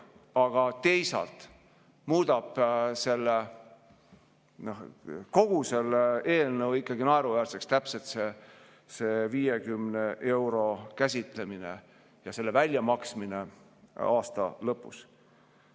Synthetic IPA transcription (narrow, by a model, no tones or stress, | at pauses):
ɑɡ̥ɑt̪e̞jsɑ̰lt̪ | muːd̪̥ɑb̥se̞lːe | nohko̞ɡ̥use̞le̞ːlnɤwikːˑɑɡinɑeɾuvæːrsekst̪æpset̪se | seːviːje̞ɡymne̞ʔe̞wɾo̞kæs̬ʲit̪ˑle̞minḛ | jɑselːe̞vælʲjɑmɑksmine̞ | ɑːst̪ɑ̰lɤpːˑus